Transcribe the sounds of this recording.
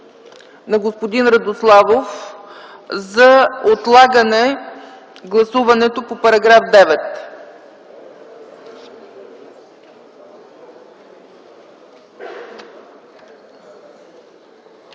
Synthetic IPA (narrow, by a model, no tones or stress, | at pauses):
nɐɡospod̪inɾəd̪oslˠavof | zɐot̪lˠaɡənɛ | ɡlˠɐsuvɐnɛt̪opopɐɾɐɡɾafd̪ɛvɛt̪